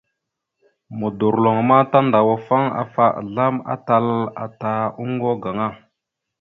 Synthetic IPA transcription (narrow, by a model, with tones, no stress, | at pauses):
mu˨du˨ɾlo˨ŋma˦ta˦nda˨wa˦fa˦ŋa̰˨fa˦ʔɮa˦ma̰˦ta˦la̰˨ta˨u˦ŋɡo˦ɡa˨ŋa˦˨